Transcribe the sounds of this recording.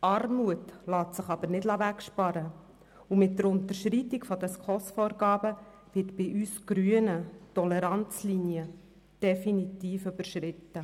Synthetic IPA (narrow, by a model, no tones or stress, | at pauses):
ɑrmuətlɑːtsɪχɑb̥əɾnɪdlɑvækʃpɑɾə | umɪt̚dəɾʊntəɾʃɾiːtikfɔdɛskʰɔsfɔːɾɡɑːbə | vɪtb̥ɪʔyːsɡ̥ɾyənətɔlɛɾɑnt͡slinjə | d̥ɛfinitiːføbəɾʃɾɪtːə